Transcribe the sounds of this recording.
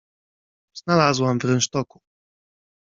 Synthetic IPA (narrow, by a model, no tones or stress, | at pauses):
z̥nalazwamvɾɛnʂt̪ɔku̥